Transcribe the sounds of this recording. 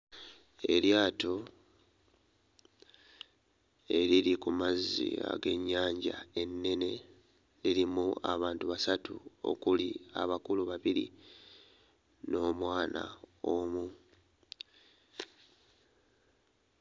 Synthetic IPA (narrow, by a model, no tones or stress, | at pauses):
e̞̰ljaːto̞ | e̞ɾiɾikumazːḭa̰ɡe̞ɲːaːɲɟa̰e̞nːe̞ne̞ | liɾimua̰βaːntuβasatuo̞̰kulia̰βakuluβaβiɾḭ | no̞ːmwaːnʔa̰omu